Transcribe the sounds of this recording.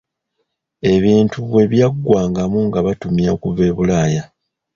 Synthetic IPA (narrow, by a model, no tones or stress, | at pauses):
e̞βiːntuβwe̞βjaɡːwaːŋɡamuŋɡaβatumjakuve̞ːβulaːja